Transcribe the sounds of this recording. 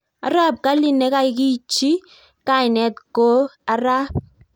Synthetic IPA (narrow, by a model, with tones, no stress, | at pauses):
a̰˨ɾa˦p̚ka˦li˦ne˨˦ka˦ɪ˨ki˦t͡ʃi˦ | ka˦ɪ˨nɛ˨˦tko˦a˨ɾa˦p̚